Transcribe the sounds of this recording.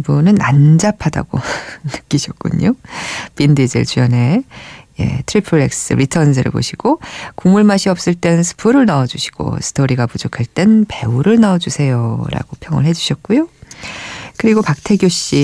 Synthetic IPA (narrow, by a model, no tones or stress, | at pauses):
bunɯna̰nd͡ʑapʰada̰ɡ̥o̰nɯk͈iɕʰʌt̚k͈ṵɲopindid͡ʑɯ̰ɭt͡ɕujʌne̞je̞̰tʰɯɾipʰɯɭːek̚s͈ɯ̰ɾitʰʌnsʰɯɾɯ̰po̰ɕʰiɡ̥okumuɭmaɕʰiʌp̚s͈ɯɭt͈e̞nnsʰɯ̥pʰuɾɯɭnaʌd͡ʑuɕʰi̥ɡ̥o̰sʰɯ̥tʰoɾiɡapud͡ʑokʰaɭt͈e̞npe̞uɾɯɭnaʌd͡ʑusʰe̞joɾa̰ɡopʰjʌŋɯ̰ɭɦe̞d͡ʑuɕʰʌt̚k͈ujo | kɯɾiɡopak̚tʰe̞ɡjoɕ͈i